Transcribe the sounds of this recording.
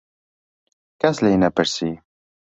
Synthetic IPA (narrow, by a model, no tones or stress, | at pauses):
kɛslɛjnɛpɨɾsi